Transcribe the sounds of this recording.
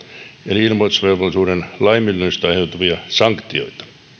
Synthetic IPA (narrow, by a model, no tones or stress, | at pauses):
eliilmot̪usʋerʋolːˑisuːɾenlɑimilːyist̪ɑjhet̪ːuʋiɑsɑŋkt̪io̰it̪ɑ̥